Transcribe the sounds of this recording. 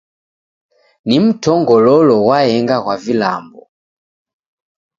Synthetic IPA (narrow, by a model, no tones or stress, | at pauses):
nim̩tʰɔŋɡɔlɔlɔwaɛŋɡakwavila̰mbɔ̰